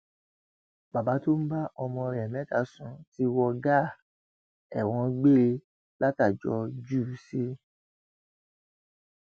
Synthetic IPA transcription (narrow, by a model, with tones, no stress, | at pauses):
ba˨ba˨˦to˦m̩˦ba˦ʔɔ˧mɔ̃˧ɾɛ˨mɛ̃˦ta˧˨sũ˨˧˦ti˧wɔ˧ɡa˦˨ | ɛ˨w̃ɔ̃˧ɡ͡be˦ɾe˧ | la˦ta˦˨d͡ʒɔ˧d͡ʒu˦˨˦si˦